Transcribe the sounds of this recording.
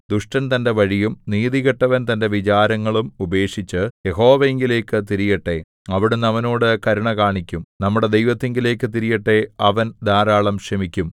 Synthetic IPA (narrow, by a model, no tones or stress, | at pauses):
d̪uʂʈɐnt̪ɐnde̞ʋɐɻijumniːðiɣɐʈːɐʋɐnt̪ɐnde̞ʋit͡ɕaːɾɐŋːɐɭumube̞ːkʂit͡ɕːɨje̞ɦo̞ːʋɐeŋɡile̞ːkːɨt̪iɾijɐʈːe̞ | ɐʋiɽunɐʋɐno̞ːɽɨkɐɾuɳɐkaːɳikʲːumnɐmːuɽe̞d̪ejʋɐt̪ːeŋɡile̞ːkːɨt̪iɾijɐʈːe̞ɐʋɐnd̪aːɾaːɭɐmʂɐmikʲːum